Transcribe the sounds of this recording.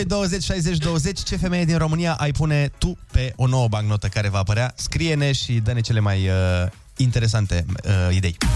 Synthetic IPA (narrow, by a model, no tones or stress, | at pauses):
ojd̪o̞wəze̞t͡ʃʲʃajzet͡ʃʲd̪o̞wəze̞t͡ʃʲt͡ʃe̞fe̞me̞jed̪inro̞mɨnijaʔajpune̞t̪upe̞ʔo̞no̞wəbaŋɡno̞t̪əkaɾe̞vaːpəɾeaskɾije̞ne̞ʃid̪əne̞t͡ʃe̞le̞majə | int̪e̞ɾe̞s̬ant̪e̞əid̪e̞̰j